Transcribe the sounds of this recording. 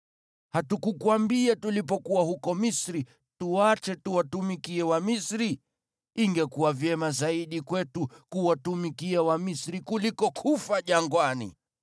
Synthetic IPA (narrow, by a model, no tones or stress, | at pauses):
hatukukuambiatulip̬ɔkuwahukɔmisɾi | tuat͡ʃɛtuwatumikiɛwamisɾi | iŋɡɛkuwavjɛmazaiɗikwɛtukuwatumikiawamisɾikulikɔkʰufaʄaŋɡwanḭ